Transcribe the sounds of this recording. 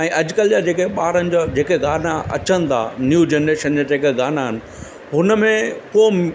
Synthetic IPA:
ɛ̃ːʔɐd͡ʑkəld͡ʑad͡ʑeːkeɓaːɾənɪ̆d͡ʑoːd͡ʑeːkeɡaːnaɐ̰t͡ɕənɪ̆t̪ʰa̰njuːd͡ʑenɾeːʃənd͡ʑad͡ʑeːkeɡaːnaɦɪnɪ̆ | ɦʊnə̆mẽpoːɪ

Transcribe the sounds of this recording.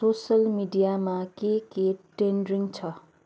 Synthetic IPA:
sosʌlmiɖijamakekeʈenɖɾiŋɡt͡sʰʌ

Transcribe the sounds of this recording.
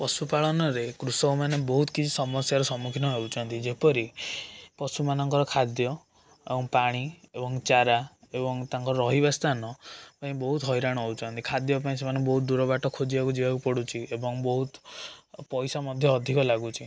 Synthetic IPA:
pɔsupaɭɔnɔɾekɾusɔwmanebɔɦut̪ɔ̥kit͡ʃʰi̥sɔmɔsjaɾɔsɔmukʰinɔɦeuwt͡ʃʰɔnt̪id͡ʒepɔɾipɔsumanɔŋkɔɾɔkʰad̪jɔ | ebɔŋpaɽ̃iebɔŋt͡ʃaɾa | ebɔŋt̪aŋkɔɾɔɾɔɦibast̪anɔpaĩbɔɦut̪ɦɔjɾaɽ̃ɔɦewt͡ʃʰɔnt̪ikʰad̪jɔpaĩsemanebɔɦut̪̚d̪uɾɔbaʈɔkʰod͡ʒibakud͡ʒibakupɔɽut͡ʃʰiebɔŋbɔɦut̪ | pɔjsamɔd̪ʱjɔːd̪ʱikɔlaɡut͡ʃʰi

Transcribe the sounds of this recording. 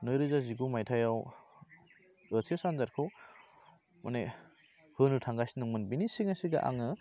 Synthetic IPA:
nɔjɾɯzaziɡumajtʰajaw | ɯsʰesanzaɾkʰo | mane | hɯnutʰaŋɡasinɯŋmɯnbinisiŋasiɡa̰ʔa̰ŋɯ

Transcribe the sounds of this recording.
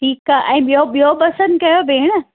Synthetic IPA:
ʈʰiːkaʔɛ̃ːɓijoɓijopɐsə̃nd̪̚kɐjobʱeːɽ̃ə

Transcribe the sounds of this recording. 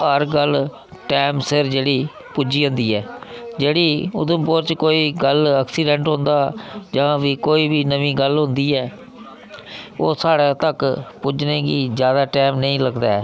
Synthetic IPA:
əɾɡəl | ʈɛːmsɪɾd͡ʒeːɽiː | pʊd͡ʒiːɦõːnd̪iːɛːd͡ʒeːɽiːʊ̰d̪ʊmpʊɾt͡ʃkoːiːɡələksiːɖɛ̃ɳʈɦõːnd̪aːd͡ʒãːʋiːkoːiːbiːnəʋĩːɡəlɦʊ̃nd̪iːɛː | oːsaːɽeːt̪əkpʊd͡ʒnẽːɡiːzjaːd̪aːʈɛːmnəĩːləɡd̪aː

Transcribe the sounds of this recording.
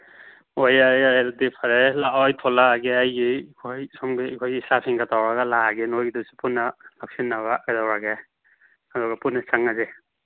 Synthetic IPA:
ojajaɾdipʰaɾelaɔjtʰɔlaɡeajɡikʰojsɔmɡikʰojɡisapʰiŋɡatʰawɾaɡalaɡenojɡidusi̥punːalak̚sinːaɡaajdawɾaɡe | adɔɡapunːasaŋaze

